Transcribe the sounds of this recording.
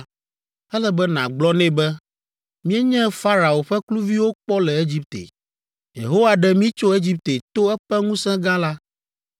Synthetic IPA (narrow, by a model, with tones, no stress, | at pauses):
ɛ˦lɛ˦bɛ˦nã˨ɡ͡blɔ˦nɛ̃˦bɛ˦ | mĩ˦ɛ˦ɲɛ̃˦fa˦ɾa˨o˨ɸɛ˦klu˦vi˦wo˦k͡pɔ˦lɛ˨e˦d͡ʑi˦p̚t̪ḛ˨ | jḛ˨ɦo˦wa˨ɖɛ˨mĩ˦t͡ʃo˦e˦d͡ʑi˦p̚t̪e˨t̪o˦ɛ˦ɸɛ˦ŋũ˦sɛ̃˦ɡã˦la˦